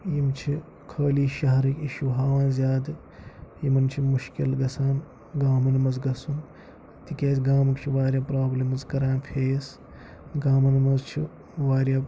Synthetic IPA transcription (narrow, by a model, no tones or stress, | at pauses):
jimt͡ʃʰi | kʰɐːliːʃɐɦɐɾikʲiʃuɦaːʋaːnzʲjaːd̪ɨ | jimɐnt͡ʃʰimuʃkilɡɐsaːn | ɡaːmɐnimɐzɡɐsun | t̪ikʲeːsʲɡaːmɐkt͡ʃʰiʋaːɾʲjaːpɾaːblimɐzkɐɾaːnpʰeːjɐs | ɡaːmɐnimɐzt͡ʃʰi | ʋaːɾʲjaː